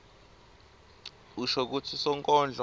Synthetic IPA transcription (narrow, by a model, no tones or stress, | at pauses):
uʃɔk̬utʰisɔŋkʼɔnd͡ɮʱɔ